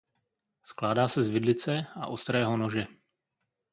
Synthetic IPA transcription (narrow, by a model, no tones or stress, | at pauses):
sklaːdaːsɛzvɪdlɪt͡sɛa̰ʔo̞st̪ɾɛːɦo̞no̞ʒɛ